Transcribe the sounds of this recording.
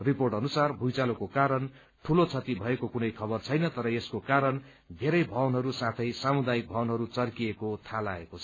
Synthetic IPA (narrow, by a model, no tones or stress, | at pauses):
riporʈʌnusarbʱujt͡salokokaɾʌn | ʈʰulot͡sʰʌt̪ibʱʌekokunʌjkʰʌbʌrt͡sʰʌjnʌt̪ʌɾʌeskokaɾʌn | d̪ʱeɾʌjbʱʌwnɦʌɾusãt̪ʰʌjsamud̪ajik̚bʱʌwnɦʌɾut͡sʌrkiekot̪ʰalaḛkot͡sʰʌ̥